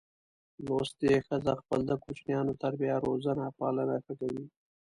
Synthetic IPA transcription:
lost̪exəzaxpəld̪əkut͡ʃnjɑnot̪aɾbjɑɾozanapɑlanaxakawi

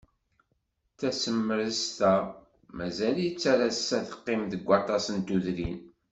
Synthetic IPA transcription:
θæsəmːəɾəzt̪æ | mæzæljət͡sːaɾasːæðə̥qːɪmðəɡʷːɑt̪ˤɑsənt̪uðɾin

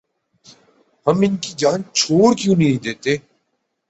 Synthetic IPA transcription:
ɦəmɪnkiːd͡ʒaːnt͡ʃʰoːɽkjũːnĩd̪eːt̪eː

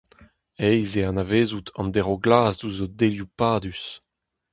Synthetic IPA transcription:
ɛjzeanaveːzut̪ʰɑ̰̃nd̪eʁoɡlaːzduzodeljupaːd̪ys

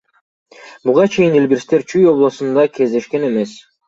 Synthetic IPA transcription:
buʁɑt͡ʃʰe̞jinilbiɾst̪e̞ɾt͡ʃʰyjo̞blˠosund̪ɑkʰe̞zd̪e̞ʃke̞ne̞me̞s

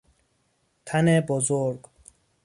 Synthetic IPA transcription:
t̪ʰanebozoɾɡ

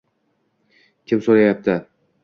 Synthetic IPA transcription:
kʲʰɪmsoɾajap̚t̪ʰɪ

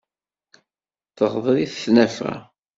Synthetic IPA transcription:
θəʁðˤɾiθθnæfʁæ̰

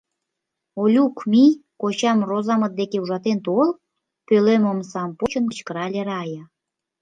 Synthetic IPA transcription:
olʲukmikot͡ɕɑmrozɑmət̪̚d̪ekeuʒɑt̪ent̪ol | pøleməmsɑmpot͡ɕənkət͡ɕkəɾɑlʲeɾɑjɑ

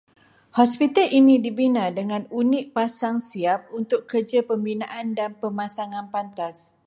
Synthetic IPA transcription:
hɔspit̪əlʔinĩdibinadəŋãnunɪʔ̚pasaŋsiap̚unt̪ʊkərd͡ʒapəmbinãʔandanpəmãsaŋãnpant̪as

